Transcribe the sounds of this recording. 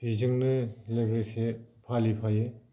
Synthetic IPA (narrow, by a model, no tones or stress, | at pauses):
izɯŋnɯlɯɡɯsepʰalipʰaje